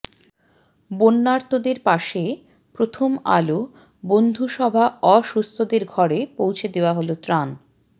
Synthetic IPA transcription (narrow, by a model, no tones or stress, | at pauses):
bonːaɾt̪od̪eɾpaʃe | pɾot̪ʰoma̰lo | bond̪ʱuʃɔbʱaɔʃust̪ʰod̪eɾɡʱɔɾepowt͡ɕʰed̪eoaɦolot̪ɾan